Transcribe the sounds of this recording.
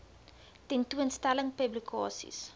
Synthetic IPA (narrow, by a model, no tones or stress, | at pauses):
tɛntuənstæləŋpəblikʰɑ̰ːsḭs